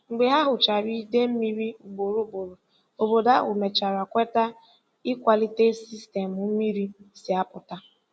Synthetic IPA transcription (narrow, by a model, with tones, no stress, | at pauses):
ŋ͡m̩˨ɡ͡be˨ɦa˦ɦʊ˨t͡ʃa˨ɾi˦de˦m̩˦mi˦ɾi˦u˨ɡ͡bo˨ɾu˦bo˨ɾo˨ | o˨bo˨da˦o̰˨me˨t͡ʃa˨ɾa˨kʷe˦ta˦ | i˦kʷa˨li˦te˦si˦ste˨mu˦mi˦ɾi˦si˨a˦pʊ˨ta˦